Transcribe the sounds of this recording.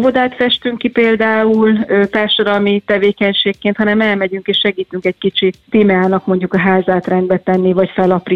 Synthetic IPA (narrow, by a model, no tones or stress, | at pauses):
vo̞d̪aːt̪fɛʃt̪yŋkipeːld̪aːuløt̪aːrʃod̪ɒlmit̪ɛveːkɛɲʃeːkːeːnt̪hɒnɛmɛlmɛɟyŋkeːʃʃɛɡiːt̪yŋkɛckit͡ʃit̪eːmaːnɒkmo̞ɲɟukɒɦaːzaːt̪rɛnd̪bɛt̪ɛnːivɒcfɛlɒpri